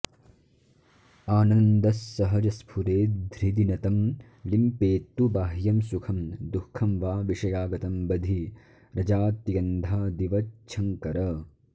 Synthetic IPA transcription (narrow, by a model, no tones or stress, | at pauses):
aːnɐnd̪ɐsːɐɦɐd͡ʒɐspʰuɾeːd̪ʱɾid̪inɐt̪ɐm | limpeːt̪ːubaːɦjɐmsukʰɐmd̪ukʰːɐmʋaːʋiʃɐjaːɡɐt̪ɐmbɐd̪ʱi | ɾɐd͡ʒaːt̪jɐnd̪ʱaːd̪iʋɐt͡ʃʰɐŋkɐɾɐ